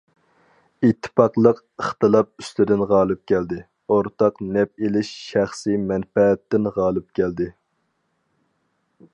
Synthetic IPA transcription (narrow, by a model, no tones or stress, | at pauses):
it̪ʰːɪ̥pɑqlˠəq | əχt̪ɨlˠɑp̚y̥st̪ɪd̪ɪnʁɑːlˠɨp̚kʲʰɛld̪ɪ | oɾt̪ʰɑqnɛp̚elɪʃːæχsimɛnfɛːt̪ːɪnʁɑːlˠɨp̚kʲʰɛld̪ɪ